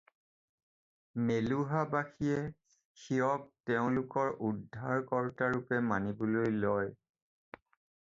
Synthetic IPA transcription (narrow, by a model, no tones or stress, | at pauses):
meluɦabaxijɛ | xiɔk̚tɛʊ̃lʊkɔɹʔudʱːaɹkɔɹtaɹʊpɛmanibʊlojlɔj